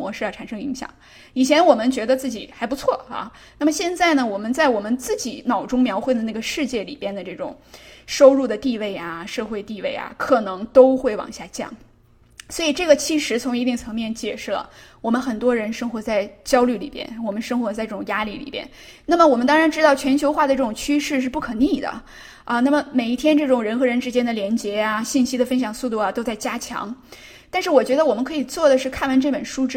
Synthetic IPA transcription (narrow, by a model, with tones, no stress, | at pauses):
wɔ˧˥ʂɻ̩˥˧jɑ˥˩a˨˩nʂɤ˥ŋi˧˥ŋɕjɑ̰˨˩˦ŋ | i˨˩t͡ɕʰjɛ˧˥nwɔ˨˩mə˦nt͡ɕɥɛ˧˥d̪ə˧t͡sɹ̩˥˩t͡ɕi˨˩xa˧˥ɪp̬u˧˥t͡sʰwɔ˥˩ɐ̰˧ | na˥˩mə˩ɕjɛ˥˧nt͡sa˥˩ɪnə˩wɔ˨˩mə˦nt͡sa˥˩ɪwɔ˨˩mə˦nt͡sɹ̩˥˩t͡ɕi˨˩˦nɑ˨˩ʊʈ͡ʂʊ˥ŋmjɑ˧˥ʊxwe˥˩ɪd̪ə˩na˥˩ɡə˩ʂɻ̩˥˧t͡ɕjɛ˥˩lḭ˨˩pjɛ˥˩nd̪ə˩ʈ͡ʂɤ˥˩ʈ͡ʂʊ̰˨˩ŋʂo˥ʊɻu˥˩d̪ə˩t̪i˥˧we˥˩ɪɐ˩ʂɤ˥˧xwe˥˧ɪt̪i˥˧we˥˩ɪɐ̰˨˩kʰɤ˨˩nɤ˧˥ŋt̪o˥ʊxwe˥˩ɪwɑ̰˨˩ŋɕja˥˧t͡ɕjɑ̰˥˩ŋ | swɔ˧˥i˨˩ʈ͡ʂɤ˥˩ɡə˩t͡ɕʰi˧˥ʂɻ̩˧˥t͡sʰʊ˧˥ŋi˧˥t̪i˥˩ŋt͡sʰɤ˧˥ŋmjɛ˥˧nt͡ɕjɛ˥˩ʂɻ̩˥˩lə̰˩wɔ˨˩mə˦nxə˨˩nt̪wɔ˥ɻə˧˥nʂɤ˥ŋxwɔ˧˥t͡sa˥˩ɪt͡ɕjɑ˥ʊly˥˩li˨˩pjɛ̰˥˧˩nwɔ˨˩mə˦nʂɤ˥ŋxwɔ˧˥t͡sa˥˧ɪʈ͡ʂɤ˥˩ʈ͡ʂʊ˨˩ŋja˥li˥˩lḭ˨˩pjɛ̰˥˩n | na˥˩mə˩wɔ˨˩mə˦nt̪ɑ˥ŋɻa˧˥nʈ͡ʂɻ̩˥t̪ɑ˥˩ʊt͡ɕʰɥɛ˧˥nt͡ɕʰjo˧˥ʊxwa˥˩d̪ə˩ʈ͡ʂɤ˥˩ʈ͡ʂʊ˨˩ŋt͡ɕʰy˥ʂɻ̩˥˧ʂ̬ɻ̩˥˧pu˥˩kʰɤ˨˩ni˥˩d̪ə̰˩ | ə˧na˥˩mə˩me˨˩ɪi˥˩t̪ʰjɛ˥nʈ͡ʂɤ˥˩ʈ͡ʂʊ˨˩ŋɻə˧˥nxɤ˧˥ɻə˧˥nʈ͡ʂɻ̩˥t͡ɕjɛ˥nd̪ə˨ljɛ˧˥nt͡ɕjɛ˧˥a˧ɕi˥˩nɕi˥d̪ə˨fə˥nɕjɑ˨˩ŋsu˥˧t̪u˥˩ɐ˩t̪o˥ʊt͡sa˥˩ɪt͡ɕja˥t͡ɕʰjɑ̰˧˥ŋ | t̪a˥˧nʂɻ̩˥˩wɔ˨˩t͡ɕɥɛ˧˥d̪ə˧wɔ˨˩mə˦nkʰɤ˧˥i˨˩t͡swɔ˥˩d̪ə˩ʂɻ̩˥˧kʰa˥˩nwa˧˥nʈ͡ʂɤ˥˩pə˨˩nʂu˥ʈ͡ʂɻ̩˥